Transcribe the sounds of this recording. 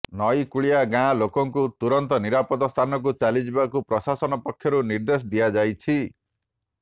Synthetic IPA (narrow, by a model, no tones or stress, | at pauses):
nɔjkuɭijaɡãlokɔŋkut̪uɾɔnt̪ɔniɾapɔd̪ɔst̪ʰanɔk̬ut͡ʃalid͡ʒibakupɾɔsasɔnɔpɔkʰːjɔɾuniɾd̪es̬ɔd̪iad͡ʒajt͡ʃʰi